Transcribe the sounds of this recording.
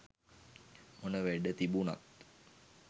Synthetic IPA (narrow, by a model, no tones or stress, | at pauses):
onəʋæɖət̪ibuna̰t̪